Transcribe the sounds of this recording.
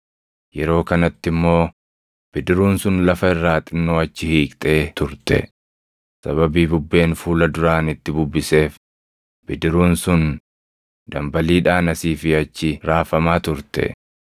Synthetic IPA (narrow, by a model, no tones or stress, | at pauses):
jɛɾo̞ːkɐnɐt̪ːɪmːo̞ː | b̥ɪd̪ɪɾuːnsʊnlɐfɐɪrːaːt̪ʼɪnːoːɐt͡ʃːɪhiːkʼt̪ʼe̞ːt̪ʊɾt̪ɛ̰ | sɐβɐbiːbʊbːe̞ːnfuːlɐd̪ʊɾaːnɪt̪ːɪbʊbːɪse̞ːf | b̥ɪd̪ɪɾuːnsʊn | d̪̥ɐmbɐliːᶑaːnɐsiːfɪɐt͡ʃːɪɾaːfɐmaːt̪ʊɾt̪ɛ̰